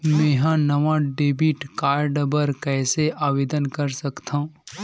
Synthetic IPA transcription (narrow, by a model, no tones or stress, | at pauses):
mẽːɦãnɐʋãɖeːbiʈkaːɾɖbɐɾkɛːseaːʋeːd̪ənkɐɾsɐkt̪ʰãũ